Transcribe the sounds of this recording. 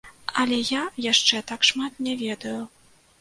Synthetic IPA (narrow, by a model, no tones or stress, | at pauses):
ɐlʲɛjajaʂt͡ʂɛt̪akʂmat̪nʲɛvʲɛd̪ɐju